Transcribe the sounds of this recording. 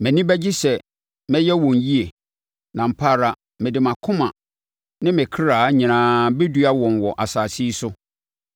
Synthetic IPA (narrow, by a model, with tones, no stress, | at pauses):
mæ̃˨nĩ˦bɛ˦d͡ʑi˦sɛ˨ | mɛ̃˦jɛ˦wɔ̃˨nji˦e˨ | nã˨m̩˨pʰa˦˨ɾa˨ | mɪ̃˨dɪ˨mã˨kʰʊ̃˦mã̰˨ | nɪ̃˦mɪ̃˨kʰɪ˦ɾaː˨˦ɲɪ̃˨nãː˦be˦du˦a˦wɔ̃˨nwɔ˨ʔa˨saː˨si˦sʊ˦